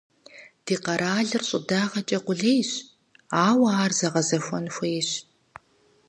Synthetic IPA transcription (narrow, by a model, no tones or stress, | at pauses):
d̥iːqɐɾʔaːɮɨrɕʼʊ̰daːʁɐt͡ʃʼɐqʷʊɮejɕ | aːwaːrzɐʁɐzɐxʷɔnxʷeːɕ